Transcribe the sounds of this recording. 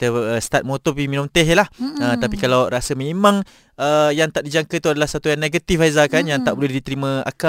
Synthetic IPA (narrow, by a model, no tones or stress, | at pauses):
t̪əəst̪at̪̚mot̪ɔpiminumt̪ɛɦlahət̪apikalawɾasəmemãŋ | əjaŋt̪aʔdid͡ʒaŋkət̪uadalahsat̪ujaŋneɡət̪ifazakanjaŋt̪aʔbolɛhdit̪əɾimə̃a̰ka